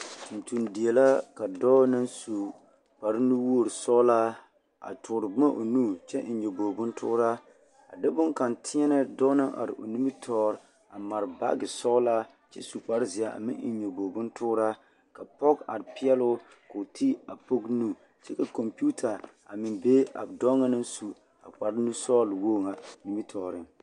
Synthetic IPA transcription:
n̩˨tu˨ndi˨e˨la˦ka˨dɔː˦nɨ˦nsu˨ | k͡pa˨ɾɪ˦nu˦wu˦o˦˨ɾɨ˨sɔ˦la˦ | a̰˨tʊ˨ɾɨ˨bʊ˦ma˦ʔo˨nu˦t͡ʃɛ˦ʔn̩˨ɲo˨bo˨bʊ˦ntʰʊ̰˦ɾa˦ | a̰˨dɪ˦bʊ˦ŋka˨ntʰɪ˦ɲɛ˦nɨ˦dɔ˦nɨ˦ŋʔa̰˨ɾɪ̰˨ʔo̰˨ni˦mi˦tʰɔː˦ɾ | a˨ma˨ɾba̰˦ɡɪ˨sɔ˦la˦ | t͡ʃɛ̰˦su˨k͡pa˨ɾzɪ˨a˨a̰˨mɪ̰̃˦ŋ˦˨ɲo˨bo˨bʊ˦ntʊː˦ɾa˦ | ka˨pɔ˦ɡa̰˨ɾpɪ˦ɛ˦lʊ˦ | ko˨tʰi˦a˨po˦ɡnu˦˨ | t͡ʃɛ˦ka˨ko˨mpi˦u˦tʰa˨ | a˨mɪ˨nbe˦a̰˨bdɔ˦ŋa˦nɨ˦nsu˨ | a˨k͡pa˨ɾnu˦sɔː˦lwoː˦˨ŋa˨ni˦mi˦tʰɔː˨ɾɪ˦ŋ

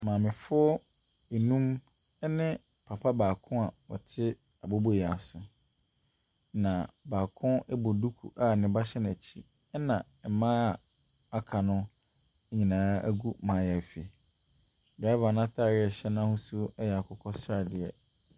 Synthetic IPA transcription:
mãː˨mɪ̃˨fʊ˦ɔ˦ | e˨nũ˦m˦ | nɪ̃˦ | pʰa˨pʰa˦baː˨kʰʊ̃˦a˨wɔ̰˨tʰɪ˦ | a˨bo˦bo˦jɛ˨a˨sʊ˨ | nã˨baː˨kʰʊ̃˦ɛ˦bo˨du˦kʰṵ˨ʔa˦˨nɪ̃˨ba˦ɕɛ˦nã˨t͡ɕʰi˦ | nã˨ | ɛ˨mã˦˨ | a˦kʰa˨nʊ̃˦ | ɲĩ˨nãː˨˦æ̰˦ɡu˦mã˨˦˨ja˨fi˨ | da˦va˨nã˦tʰa˦˨ɾɪ˦ɛ˨ɕɛ˦nã˦hʊ˦su˦ɛ˦jɛ˨a˨kʰɔ˨kʰɔ˦sa˨dɪ˨ɛ˨

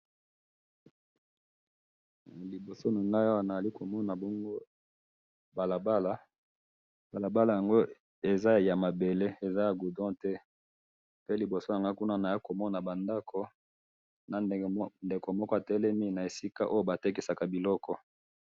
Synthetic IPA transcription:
li˨bo˨so˦na˨ŋa˦ja˦wa˨na˨za˨li˦ko˨mɔ˦na˨bɔ˦ŋɡo˦ | ba˨la˨ba˦la˦ | ba˨la˨ba˦la˨ja˨ŋɡo˦ | e˨za˦ja˨ma˨be˨le˦e˨za˦ja˨ɡu˨dɔ̃˦tɛ˦ | pe˦li˨bo˨so˦ja˨ŋɡa˦ku˦na˦na˨ja˦ko˨mɔ˦na˨ba˨nda˦kʰo˨ | na˨nde˨ko˨mɔ˦kɔ˦a˨tɛ˦lɛ˦mi˦na˨e˨si˦ka˦ʔo˦jo˦ba˨te˦ki˨sa˨ka˨bi˨lɔ˦kɔ˦

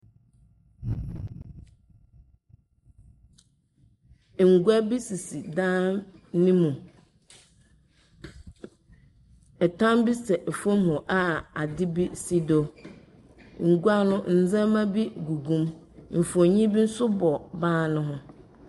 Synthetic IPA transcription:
ŋ̩˨ɡu˦a˦bi˦si˨si˨dãː˦nnĩ˦mũ˨ | ɛ˨tʰã˦mbi˦sɛ˨ʔɛ˨fɔ̃˦mhʊ̃˨ʔa˨a˨dɪ˦bi˦si˦do˨ | ŋ̩˨ɡu˦a˦nʊ̃˦n̩˨zã˦mã˦bi˦ɡu˨ɡũ˦m | m̩˨fo˨ɲĩ˦bi˦n̩˦sʊ˦bɔ˨bãː˦nʊ̃˦ɦʊ̃˦

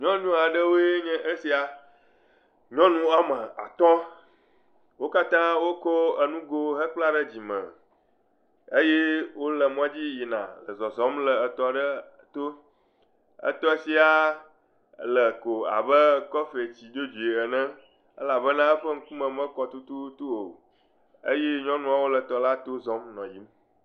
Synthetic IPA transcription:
ɲɔ̃˦ɲũ˦a˨ɖə˦wo˦e˦ɲɛ̃˦ʔə˦si˦a˨ | ɲɔ̃˦nũ˦ə˦mə̃˨a̰˨t̪ɔ̃˦ | wo˦ka˦t̪ã˦wo˦kɔ˦ə˨nũ˦ɡo˦ɦə˦k͡pla˦ɖə˦d͡ʑi˨mə̰̃˨ | ə˦je˦wo˦lə˨m˦ɔ̃˦d͡ʑi˦ji˨nã̰˨lə˨zɔ˨zɔ̃˦mlə˨ə˨t̪ɔ˨ɖə˦ | t̪o˦ | ə̰˦t̪ɔ˦si˦a˦ | lə˨ko˨a̰˨bə˦kɔ˦fe˨t͡ɕi˨d̪o˦d͡ʒu˨e˨ə˨nə̃˦ | ə̰˦la˨bə˦nã˦ə˦ɸə˦ŋ̩˦ku˦mə̃˨mə̃˦kɔ˨t̪u˦t̪u˦t̪u˦o˨ | ə˦je˦ɲɔ̃˦nũ˦a˨wo˦lə˨t̪ɔ˨la˦t̪o˦zɔ˨˦mnɔ̃˨ji˦m

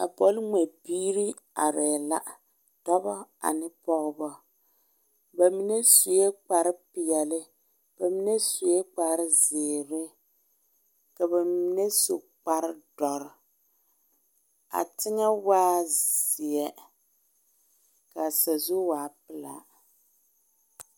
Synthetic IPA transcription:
a˨pɔ˦lŋɛ˨biː˦ɾi˦ | a̰˨ɾɛ˨la̰˦ | tɔ˦bɔ˦a̰˨nɪ˦pɔ˦ɣɨ˦bɔ˦ | ba˨mi˨nɛ˦su˨jɛ˦k͡pa˨ɾɪ˦pɪ˨jɛ˨lɪ˦ | b̥a˨mi˦nɛ˦su˨jɛ˦k͡pa˨ɾɪ˦zɪː˨ɾɪ˦ | ka˨ba˨mi˨nɛ˦so˨ | k͡pa˨ɾɪ˦dɔ˨ɾɪ˨ | a̰˨tɪ˦ŋa˦waː˦zɪ˨ɛ˨ | ka˨sa˨zu˦waː˨pɪ˦la̰˨

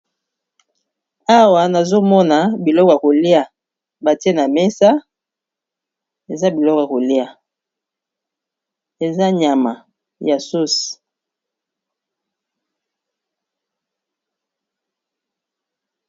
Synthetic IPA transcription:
a˦wa˨na˨zo˦mɔ˦na˨bi˨lɔ˦kɔ˨ja˨ko˨li˦a˨ | ba˨te˦na˨me˦sa˦ | e˨za˦bi˨lɔ˦kja˨ko˨li˦a˨ | e˨za˦ɲa˨ma˨ | ja˨su˦s

